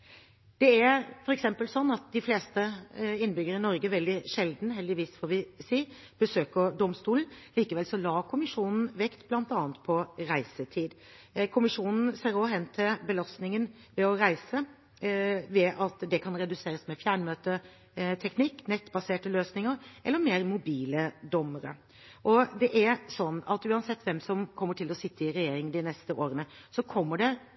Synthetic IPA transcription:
d̪̥ɛæɾfɔɾɛksɛmpəlsɔnːɑt̪̚d̪ɪfleːst̪əɪnːbʏɡəɾəɪnɔɾɡəʋɛld̪ɪʂɛld̪n̩ɦɛld̪ɪʋiːsfɔːɾʋɪsiː | b̥əsøːkəɖ̪ɔmst̪uːln̩liːkəʋɛlsɔlɑːkʰʊmɪʂuːnn̩ʋɛkt̪blɑnt̪ɑːnt̪pʰɔɾæɪsət̪ʰiːd̪ | kʰʊmɪʂuːnn̩seːɾoɦɛnːt̪ʰɪlbəlɑst̪nɪŋən | ʋɛɔɾæɪsə | ʋɛʔɑt̪d̪ɛkʰɑnɾɛd̪ʉseːɾəsmɛfjæːɳmøːt̪ə | t̪ʰɛknɪkːnɛt̪ːbɑseːʈəløːsnɪŋəɾʔɛ̰lːəɾmeːɾmʊbiːləd̪ɔmːəɾə̰ | ʔɔd̪ɛʔæɾsɔnːɑt̪ʉːɑnsɛt̪ːʋɛmsɔmkʰɔmːəʈʰɪlɔsɪt̪ʰːəɪɾɛjeːɾɪŋnd̪ɪnɛst̪əʔoːɾənə | sɔkʰɔmːəɖɛ

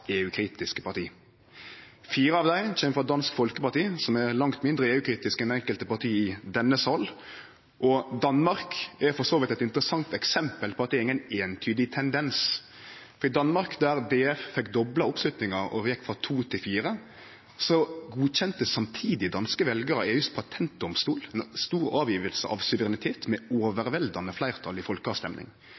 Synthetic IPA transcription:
eːʉːkʰɾiːt̪ɪskə̥pʰɑɾt̪ʰiː | fiːɾəɑʋd̪æɪçɛməfɾɔd̪ɑnskfɔlkəpɑʁt̪iːsɔmɛɾlɑŋt̪mɪnd̪ɾəeːʉːkʰɾiːt̪ɪskɛnd̪ɛɛŋkəlt̪əpɑɾt̪ʰiːɪd̪ɛnːəsɑlː | ʔɔd̪ɑnmɑɾkɛfɔsoːʋɪt̪ɛt̪ɪnt̪əɾəsɑŋt̪ɛksɛmpəlpʰɔːɑt̪̚ɛɾɪŋːəneːnt̪ʰyːd̪ɪt̪ʰɛnd̪ɛns | fɔɾɪd̪ɑnmɑɾkd̪æːɾd̪eːɛffɛkːd̪ɔblɑʊpslʉt̪nɪŋɑɾɔ̰jɛkːfɾɑt̪ʰuːt̪ʰɪlfiːɾə | sɔɡuːɕɛnt̪əsɑmt̪ʰiːd̪ɪd̪ɑnskəʋɛlɡəɾəeːʉspʰɑt̪ʰɛnt̪̚d̪ɔmst̪uːlɛnst̪uːɾɑːʋjiːʋəlsə̰ʔɑ̰ʋsʉʋəɾɪnɪt̪ʰeːt̪mɛoːʋəɾʋɛld̪ɑnəflæɪʁt̪ʰɑlɪfɔlkəɑːʋst̪ɛmnɪ̰ŋ

